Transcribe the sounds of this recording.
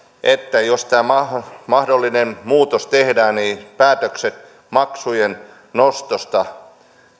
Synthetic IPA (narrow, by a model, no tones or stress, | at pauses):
ʔet̪ːæjost̪æːmɑmɑhdolːinenmuːt̪ost̪ehdæːnniːpæːt̪økset̪ | mɑksujen | nost̪ost̪ɑ